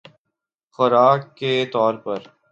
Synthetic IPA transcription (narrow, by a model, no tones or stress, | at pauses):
xʊɾaːket̪ɔːɾpɐɾ